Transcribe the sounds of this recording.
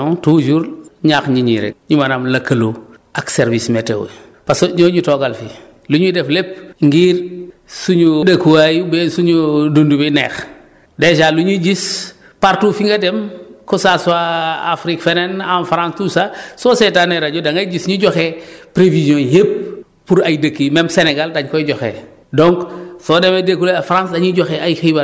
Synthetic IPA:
tud͡ʒuːɾɲaxɲiɲḭɾḛɲumanamlakalo | akseɾvismetḛwḛ | pasɲoːɲutoɡalfi | luɲudeflep̚ŋɡiːɾ | suɲudakuwajubesuɲudundubinḛːx | deʃaːluɲud͡ʒis | paɾtuːfiŋɡademkusasɔaafɾikfenenamfɾãnstusasoːsetaneɾaɟudaŋɡaɟisɲuɟɔxepɾeviziõːjep̚ | puɾajdakːimemseneɡaldaɲkɔiɟɔxḛː | dɔŋksɔdemedekuleafɾãnsdaɲiɟɔxeajxiba

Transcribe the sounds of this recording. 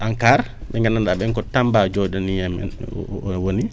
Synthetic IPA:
ʔaŋkaɾɓɛŋɡananɗaɓɛŋkɔtambad͡ʒɔɗɔnijɛm̰ | woni

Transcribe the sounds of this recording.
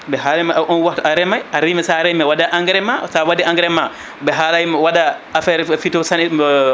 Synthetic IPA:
bɛɦalɛmaʔʔɔnwatuʔaɾɛmajaɾimɛsaɾɛjmɛwadaʔaŋɡɾɛmasawadɛaŋɡɾɛma | bɛɦalajmɛwaɗaafɛɾfitɔsani

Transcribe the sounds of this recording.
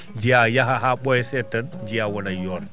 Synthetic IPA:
d͡ʒijajaɦaɦaɓɔjɛsɛtːand͡ʒijawɔnajɔːn

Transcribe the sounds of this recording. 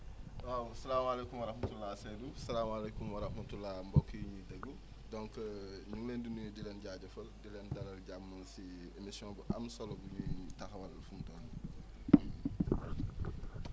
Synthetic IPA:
wawɐsɐlaːmalekumwɐɾɐhmɐtulːasedusɐlaːmalekumwɐɾɐxmɐtulːambɔkːijiɲidɐɡu | dɔŋkɲuŋleːndunujdilɛnɟaːɟɐfɐldilɛndɐlɐlɟamːɐnsi | emisiɔ̃ːbuʔɐ̰msɔlɔbuɲutɐxɐwɐlfuntɔːn

